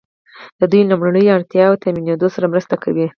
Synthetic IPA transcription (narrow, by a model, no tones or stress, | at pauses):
d̪̥əd̪ujlʊmɽaɳəjaɽt̪jɑwt̪amined̪osaɾamɾəst̪akawi